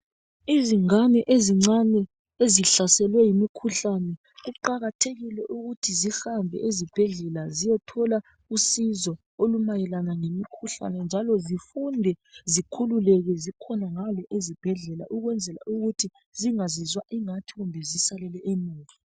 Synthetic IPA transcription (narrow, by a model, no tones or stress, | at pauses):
iziŋanɛʔeziŋ͡ǀanɛ | eziɬasɛlwɛjimikʰuɬanɛ | ɣuǃaɣatʰeɣilɛʔuɣutʰizihambʱɛ̰ʔezib̥ʱɛɮɛlazijɛtʰɔla | usizɔ | olumajɛlanaŋemikʰuɬa̰nɛnd͡ʒʱalɔzifundʱɛzikʰululɛɣɛzikʰɔnaŋalɔʔezib̥ʱɛɮɛla̰ʔuɣwɛnd͡zʱɛla̰ʔuɣutʰi | ziŋazizwaʔiŋatʰiɣumbʱɛzisalɛlɛemuːɣa